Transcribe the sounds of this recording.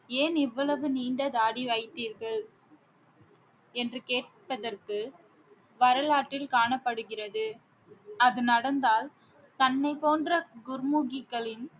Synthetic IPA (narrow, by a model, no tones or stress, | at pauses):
eːnɪʋːɐɭɐʋɯniːɳɖɐðaːɽiʋɐɪt̪ːiːɾɣɐɭ | ɛndrɯkeːʈ̚ | pɐðɐrkɯ | ʋɐɾɐlaːʈːɪlkaːɳɐpːɐɽɯɣɪrɐðɯ | ɐðɯnɐɽɐnd̪aːl | t̪ɐnːɐɪpoːndrɐɡʊɾmuɣɪkːɐɭɪn